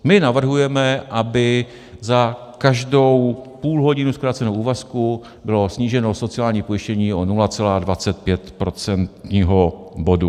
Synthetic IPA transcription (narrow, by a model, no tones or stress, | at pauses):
mɪnavr̩ɦujɛmɛʔabɪ | zakaʒdo̞wpuːlɦo̞ɟɪnuskɾaːt͡sɛnowuːvasku | bɪlo̞sɲiːʒɛno̞so̞t͡sɪaːlɲiːpo̞jɪʃcɛɲiːonulat͡sɛlaːdvat͡sɛt̪̚pjɛt̪pɾo̞t͡sɛnt̪ɲiːɦo̞bo̞du